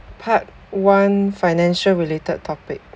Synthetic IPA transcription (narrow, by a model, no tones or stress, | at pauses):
pʰat̚ | wãnfajnɛ̃nʃəlɹiletəd̚tʰːɔpɪk̚